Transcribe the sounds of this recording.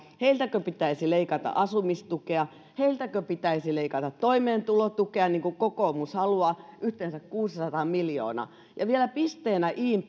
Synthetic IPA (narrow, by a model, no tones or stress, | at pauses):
heilt̪ækøpit̪æisileikɑt̪ɑ̰ʔɑsumist̪ukeɑ | heilt̪ækøpit̪æisileikɑt̪ɑt̪toimeːnt̪ulot̪ukeɑniːŋkukokoːmushɑluɑːʔyht̪eːnsækkuːsisɑt̪ɑmiljo̰ːnɑ̰ | jɑʋielæpist̪eːnæʔiːm